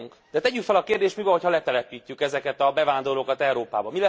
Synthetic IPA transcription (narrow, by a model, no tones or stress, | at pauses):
ŋkd̪̥ɛt̪ɛɟykfɛlɒkeːrd̪eːʃt̪mibɛhochɒlɛt̪ɛlɛpiːc̪ːykɛzɛkɛt̪ɒbɛvaːnd̪o̞rloːkɒt̪ɛuɾoːpa̰ːbɒmilɛ